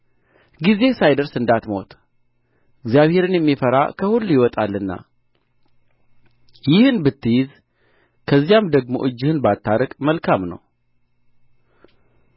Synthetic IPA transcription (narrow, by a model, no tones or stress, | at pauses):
ɡize̞sajd̪əɾsɨnd̪at̪mo̞t̪ | ɨɡzjaβhe̞ɾɨnjɛmːifəɾa̰kʰəhulːjɪwɔt̪ʼalːɨnːa̰ | jɪhɨnbɨt̪ʰːɨjɪz | kʰəzːijamd̪əɡmo̞̰ʔɨd͡ʒːɪhɨnbat̪ʰːaɾəkʼməlkʰamnə̰w